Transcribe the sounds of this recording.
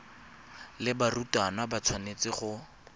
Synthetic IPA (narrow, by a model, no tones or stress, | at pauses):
lɪbarutʼanabat͡sʰwanet͡sɪχʊ